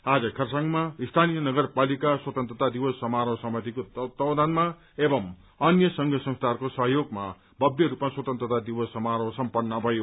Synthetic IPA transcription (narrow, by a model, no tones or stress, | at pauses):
ad͡zʌkʰʌrsaŋmaist̪ʰanijʌnʌɡʌrpalikaswʌt̪ʌnt̪rʌt̪ad̪iwʌsːʌmaɾʌwsʌmʌt̪ikot̪ʌwd̪anma | ebʌm | ʌnjʌsʌŋɡʱʌsʌ̃ŋst̪ʰarkosʌɦjoɡma | bʱʌbjʌɾupmaswʌt̪ʌ̃nt̪rʌt̪ad̪iwʌsːʌmaɾʌwsʌmpʌnːʌbʱʌjo